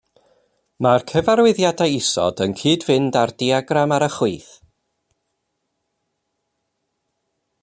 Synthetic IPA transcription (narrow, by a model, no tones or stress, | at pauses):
markʰəvaɾwɪðjadajɪsɔ̰dənkʰiːdvɪndardiaɡramaɾəχwuːθ